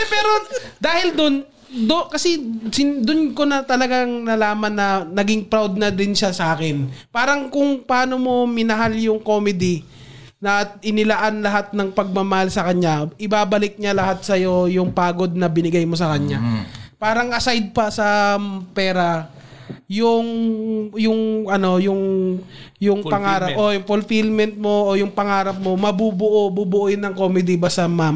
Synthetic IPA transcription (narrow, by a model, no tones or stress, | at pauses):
pɛːɾo̞d̪aːhɪld̪on | d̪okɐsɛsɪd̪ʊnko̞nɐt̪ɐlɐɡaŋnɐlaːmɐnːɐnɐɡɪŋpɾawd̪̚nɐd̪ɪnʃasɐʔaːkɪnpaːɾɐŋkʊŋpaːno̞mo̞mɪnɐɦaljʊŋko̞mɪd̪ɪ | nɐʔɪnɪlɐʔanlɐɦat̪̚nɐŋpɐɡ̚mamɐhalsɐkɐɲːaʔɪbaːbɐlɪk̚ɲalɐhat̪̚sɐjo̞jʊŋpaːɡo̞d̪̚nɐbɪnɪɡajmo̞s̬ɐkɐɲapaːɾɐŋʔɐsajd̪̚pɐsɐpɛːɾɐ | jʊŋ | jʊŋʔɐno̞jʊŋ | jʊŋpɐŋaːɾɐʔojʊŋfolfɪlmɛnt̪̚mo̞ʔojʊŋpɐŋaːɾɐp̚mo̞mɐbubʊʔobubʊʔojʊnːɐŋko̞mɪd̪ɪbasɐmam